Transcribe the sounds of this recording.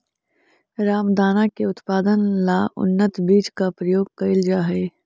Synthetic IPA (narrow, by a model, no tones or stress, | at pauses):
ɾaːmd̪aːnakeʊt̪paːd̪ənlaʊ̰nːət̪biːt͡ʃkapɾəjoːɡ̚kɐɪld͡ʒaːɦeː